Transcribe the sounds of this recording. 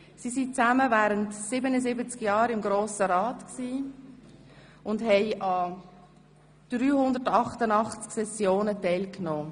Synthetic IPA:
sisit͡sæməvɛːɾəntsɪbənəzɪbət͡skjɑːɾɪmɡɾoːsəɾɑːtksiː | ʊndɦɛɪʔɑ | d̥ɾyːhʊndətɑχtənɑχt͡sksɛsjoːnətɛɪlknoː

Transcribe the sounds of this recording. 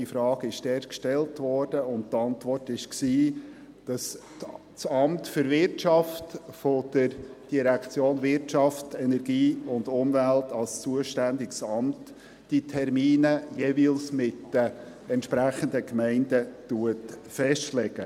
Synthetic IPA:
ifɾɑːɡɪʃtɛɾkʃtɛltʋɔrd̥əʊnttɑntʋɔrtɪʃksiː | d̥ɑs | sɑmtfʏɾvɪɾtt͡ʃɑftfɔd̥əɾd̥iɾækt͡sjoːnvɪɾtt͡ʃɑftɛnɛrɡiːʊndʊmvæltɑlst͡suəʃtændɪɡsɑmt | d̥itʰɛɾmiːnəjevilsmɪtə | ɛntʃpɾæχəndəkmɛɪndətuətfɛʃtlɛɡ̥ə

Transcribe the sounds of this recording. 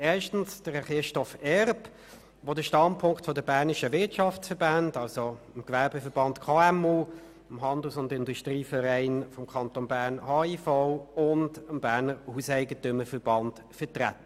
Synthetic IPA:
ɛːɐʃtn̩sd̥əʁχɪʃtɔfɛʁp | ʋodəʃtɑntpʰʊŋktfɔdəbæːɐnɪʃəʋɪɐtʃɑft͡ssfəʁbændɑlsoɪmkvɛɐbəfəɾb̥ɑntkʰɑːɛmuː | ɪmɦɑndl̩sʊndɪnduʃtʁiːfəʁɛɪnfɔmkʰɑntonbæːʁnhɑːifaʊʊndəmbæːʁnəɾhuːsɛɪɡətʏməfəʁb̥ɑnd̥ | fətʁa̰tːə

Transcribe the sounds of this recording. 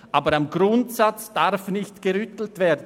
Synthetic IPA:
ʔaːbəɾamɡɾʊntsat͡sd̥aʁfnɪçtɡ̥əʁʏtl̩tv̥eːɐdn̩

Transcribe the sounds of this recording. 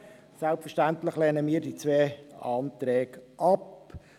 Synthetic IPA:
sɛlpfɛɾʃtæntlɪχleːnəmiːɾdit͡sʋɛːɑːnt̪ɾɛːɡʔɑp

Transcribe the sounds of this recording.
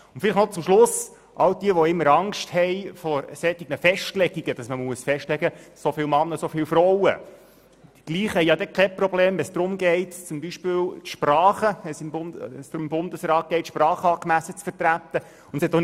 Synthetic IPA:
ʊn̩t̪fɪlɪχnɔt͡sʊmʃlʊs | ʔɑwd̥̪iəʋɔɪmːəɾɑŋʃthɛɪfɔɾsɛtiɡ̚nəfɛʃtlɛɡiɡ̥əd̥ɑsməmuəsfɛʃtlɛɡəsofɪːlwmɑnːəsofɪːlfrɔwə̰̥ | iɡ̥liːχhɛjɑd̪ɛkʰɛprɔbleːmʋɛnsd̥̪ɾʊmɡɛɪtt͡sʊmbiʃpɪːwtʃprɑːχəɛsɪmbʊnɛsd̥ɾʊɪmbʊnd̪əsrɑːt̪̚ɡ̥ɛɪtʃprɑːχəɑːkmæsːət͡sfətɾæt̪ːə | ʊntəshɛt̪ːɔ

